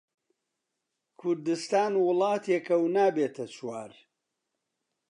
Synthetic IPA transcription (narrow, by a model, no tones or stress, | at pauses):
kʰʊɾd̪ɨst̪aːnwʊlˠɑːt̪ʰjekɐwnaːbeːt̪ʰɐt͡sʰwaːɾ